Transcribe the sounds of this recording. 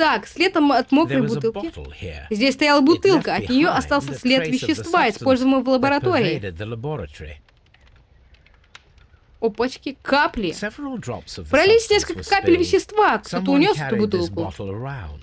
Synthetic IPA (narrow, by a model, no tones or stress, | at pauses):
t̪aksʲlʲet̪əmɐt̪mokɾəjbʊt̪ɨlˠʲɪl̩ˠḭzʲdʲesʲst̪ɐjalˠəbʊt̪ɨlˠkəɐt̪nʲɪjoʔɐst̪ɑlˠsʲəsʲlʲet̪vʲɪɕːɪst̪vaɪspo̞lʲzəvəməvlˠəbəɾɐt̪o̞ɾʲɪɪðələbɔɹətɔɹḭ | opɐt͡ɕkʲɪkʰaplʲɪsɛvɹl̩ˠdɹɑ̰psvpɾɐlʲisʲnʲeskəlʲəəkapʲɪlʲvʲɪɕːɪst̪vakt̪ot̪əʊnʲo̞sɛt̪ʊbʊt̪ɨlˠkʊəãʊ̃nd